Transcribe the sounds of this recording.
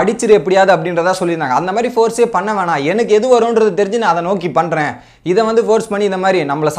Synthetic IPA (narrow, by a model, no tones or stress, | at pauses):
ɐɽɪt͡ʃːɪɾɯɛpːɐɽɪjaːðɯɐpːɐɽɪnɾɐðt̪ːãːsɔlːɪɾɯndaːŋɡɐɐnd̪ɐmaːd̪ɾifoːɾseːpɐɳːɐʋẽːnãːɛnɐkːɛðɯʋɐɾʊ̃ːnɾɐðɯt̪ɛɾɪ̃ɲd͡ʒɯnãːɐðɛnoːk̬ipɐɳɾẽː | ɪðɐʋɐnd̪ɯfoːɾspɐɳːiɪnd̪ɐmaːd̪ɾinɐmːɐɭɐs